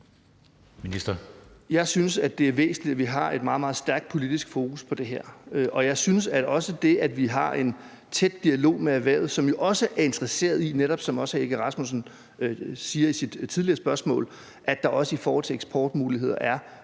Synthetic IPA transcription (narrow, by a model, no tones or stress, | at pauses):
minisd̥ɐjɑ̈ɪsynsæd̥e̝æɐʋḛːsn̩lid̥æʋiɦɑ̈e̝d̥mɑ̈ːð̩ˠmɑð̩ˠsd̥æɐɡ̥d̥̚pʰo̝lid̥isɡ̥fo̝ːkʰuspʰɒ̽d̥e̝ɦeɐ̰øʔɒ̽jɑ̈ɪsynsæɒ̽səd̥e̝ædʋiɦɑ̈e̝n | t͡sʰed̥ːiælo̝̰ːmeæʋæ̰ɐ̰ʊð̩ˠsɒ̽mjo̝ʔɒ̽səʔæɐe̝nd̥ʁɐse̝̰ːɐð̞ˠineɾ̥ɒ̽b̥sɒ̽mɒ̽səeɡ̥əʁɑ̈smusn̩ | siːɐisid̥t͡sʰiðˠliɐsb̥ɶɐsmɔ̰̽ːl | ʔæd̥ɑ̈ʔɒ̽səifɔːhɒ̽l̰t͡sʰe̝leɡ̥sb̥ʰɒ̰ːd̥muːliɦe̝ð̞̰ˠɐ̰ʔæɐ